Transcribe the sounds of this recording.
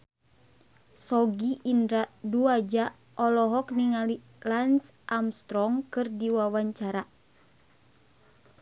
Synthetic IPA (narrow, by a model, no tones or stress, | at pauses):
sɔɡiʔindɾaduad͡ʒa | ʔɔlɔɦɔkniŋali | lansʔamst̪ɾɔŋkɨrdiwawaɲt͡ʃaɾa